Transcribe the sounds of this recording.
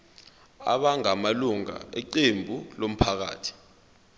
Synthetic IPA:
a̰ɓaŋamaluŋa̰ɛǃembʱulom̩pʰak̬a̰ːtʰi̥

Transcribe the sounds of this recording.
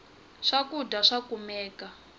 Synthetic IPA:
ʂakudaʂakumɛːka

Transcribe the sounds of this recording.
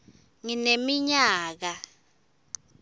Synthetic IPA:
ŋinemiɲaːk̬a

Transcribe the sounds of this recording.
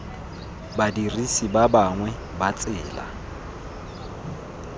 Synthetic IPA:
badirisibabaŋwɛ | bat͡sʼɪːla̰

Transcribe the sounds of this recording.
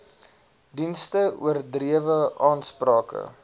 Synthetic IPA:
dinstəṵərdriəvəʔɑːnsprɑːkə̰

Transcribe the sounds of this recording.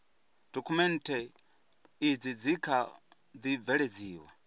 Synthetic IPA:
d̥ɔkʰumɛntʰɛ | id͡zid͡zikʰa | d͡zivɛɺed͡ziːwa̰

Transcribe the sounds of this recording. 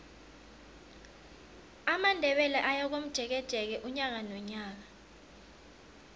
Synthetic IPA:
amandʱɛɓɛlaʔajak̬om̩d̥ʒ̥ʱɛk̬ɛd̥ʱɛk̬ɛʔuɲak̬anɔɲaːk̬a

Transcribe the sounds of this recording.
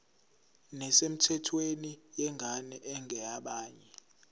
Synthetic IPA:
nɛsem̩tʰɛtʰwenijɛŋʱanɛʔɛŋʱɛaɓaːɲɛ

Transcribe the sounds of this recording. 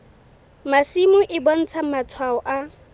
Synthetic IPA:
masimʊʔɪbɔn̩t͡sʰamat͡sʰwaɔʔa

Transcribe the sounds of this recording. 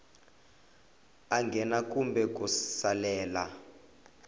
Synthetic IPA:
aŋɡʱɛnakumbɛk̬ʼusalɛːla

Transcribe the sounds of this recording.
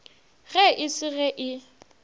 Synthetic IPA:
ɣɛʔɪsɪɣɛʔɪ

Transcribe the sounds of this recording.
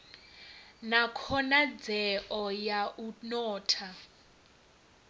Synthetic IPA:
nakʰɔnad͡zɛʔɔjaʔunɔːtʰa

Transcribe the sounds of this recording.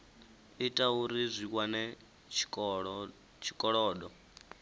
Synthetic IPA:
itʼauɾizʷikʼwanɛ | t͡ʃʰi̥kʼɔɺɔːɗɔ

